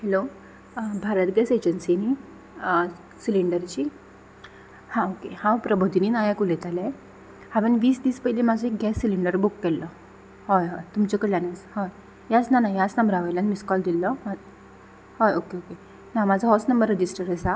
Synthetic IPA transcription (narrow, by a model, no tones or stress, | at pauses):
hɛlo | bʱaɾət̪ɡɛsed͡ʑənsini | siliɳɖəɾt͡ɕiː | hãokehãwpɾəbʱod̪ʱiniːnajakulet̪ala | hãʋənʋiːsd̪iːspəilemad͡zɔek̚ɡɛsːiliɳɖəɾbukːɛllɔ | hɔjɦɔjt̪umt͡ɕɔkəɽlanet͡shɔj | jat͡snanajat͡snəmbɾaʋajlanmiskɔld̪ilːɔa | hɔjokeoke | namad͡zʱɔɦɔsnəmbəɾːəd͡ʑisʈəɾəsa